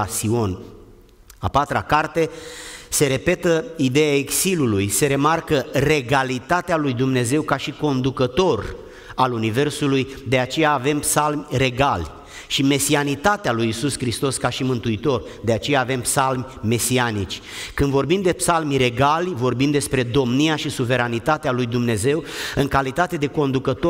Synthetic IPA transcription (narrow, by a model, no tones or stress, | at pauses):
sio̞n | a̰pat̪ɾakart̪e̞se̞ɾe̞pe̞t̪əid̪e̞jaeksilulujse̞ɾe̞markəre̞ɡalit̪at̪ealujd̪umne̞ze̞wkaʃiko̞nd̪ukət̪o̞r | alunive̞rsulujd̪e̞at͡ʃe̞jaːve̞mpsalmʲre̞ɡalʲ | ʃime̞sianit̪at̪ealujisuskɾist̪o̞skaʃimɨnt̪uit̪o̞rd̪e̞at͡ʃe̞jaːve̞mpsalmʲ | me̞sianit͡ʃʲ | kɨnd̪vo̞rbimd̪e̞psalmʲre̞ɡalʲvo̞rbimd̪e̞spɾe̞d̪o̞mniaʃisuve̞ɾanit̪at̪ealujd̪umne̞ze̞wɨŋkalit̪at̪e̞d̪e̞ko̞nd̪ukət̪o